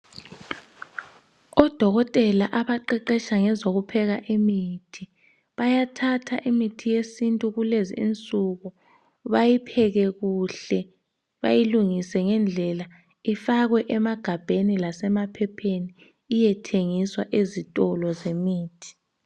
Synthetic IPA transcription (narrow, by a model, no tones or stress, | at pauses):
ɔd̥ʱɔɣɔtʼɛlaʔaβaǃɛǃɛʃaŋɛzoɣupʰɛɣaʔimitʰi | βajatʰatʰa̰ʔimitʰijesintʼuɣulezḭint͡sʼuɣɔ | βajipʰɛɣɛɣuɬɛ | βajiluŋisɛŋɛnd͡ɮʱɛla | ifaɣwɛʔɛmaɡ̥ʱab̥ʱenilasɛmapʰɛpʰeniː | jɛtʰeŋiswaʔezitʼɔlɔzemiːtʰi̥